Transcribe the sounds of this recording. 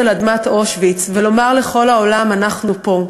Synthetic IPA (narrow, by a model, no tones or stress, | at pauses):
elad̪mat̪o̞ʃvit͡svelo̞maʁleχo̞laolamanaχnupo̞